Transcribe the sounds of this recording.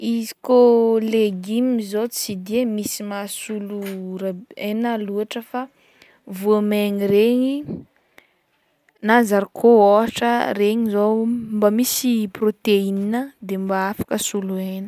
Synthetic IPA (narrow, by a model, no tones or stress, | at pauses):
izikoleɡimizot͡sid̪emisimasuluraenaluaʈ͡ʂəfa | vuameɲireɲi | nazaɾikʰooaʈ͡ʂəɾeɲizombamisiprot̪eininəd̪embaafḁkəsuluenə̥